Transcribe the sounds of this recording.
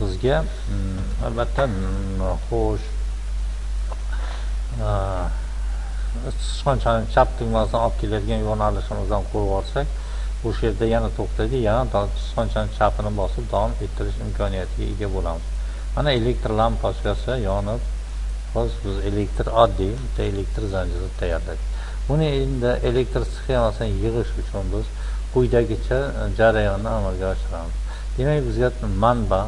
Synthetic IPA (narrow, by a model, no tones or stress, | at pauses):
sɪzɡʲa | a̰lbat̪ʰːa | χoʃ | t͡ʃʰɪ̥ʃqɒnt͡ʃʰanɪt͡ʃʰap̚t̪ʰɪɡʲmasd̪anɒp̚kʲʰe̞lajad̪ɪɡʲanjonalɪʃɪmɪzd̪anqʰoɾɒɾsakʲ | oʃaje̞ɾd̪ajanat̪ʰoχt̪ʰad̪ɪjanad̪t͡ʃʰɪ̥ʃqɒnt͡ʃʰanɪt͡ʃʰapʰɪnɪbɒsɪp̚d̪ɒɒme̞t̪ʰːɪɾɪʃɪmkʲʰɒnijat̪ʰɪɡʲa̰ḛɡʲabolamɪz̥ | manae̞le̞k̚t̪ɾlampʰɒʃkʲasɪjɒnɪp | χɒsbɪze̞le̞k̚t̪ɾɒd̪ːijbʊt̪ʰːae̞le̞k̚t̪ɾzand͡ʒɪlɪt̪ʰajaɾlad̪ɪkʲ | ʊnɪend̪ɪʔe̞le̞k̚ʲt̪ɾsɨ̥χemasanjɨʁɨʃʊt͡ʃʰʊnbɪz | qʰʊjd̪aɡʲɪt͡ʃʰad͡ʒaɾajɒnːɪamalˠɡʲaɒʃɪɾamɪz | d̪̥e̞makʲbɪzɡʲa | manba